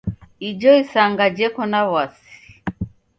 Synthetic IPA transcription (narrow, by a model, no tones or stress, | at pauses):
id͡ʒɔisaŋɡad͡ʒɛkɔnawasi̥